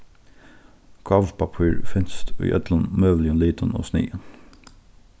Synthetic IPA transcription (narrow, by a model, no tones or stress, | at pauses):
kʰɑʋpʰɑpʰiːɹfɪnst̪ʰy̰ːʔœ̰t̪lɑnmøːʋlɪənliːd̪ʰəno̰ːsnḭːən